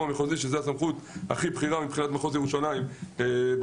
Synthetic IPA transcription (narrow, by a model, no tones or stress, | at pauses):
ameχoziʃezehasamχut̪a̰χibχiʁamipχinat̪maχoz̬jeuʃanaimb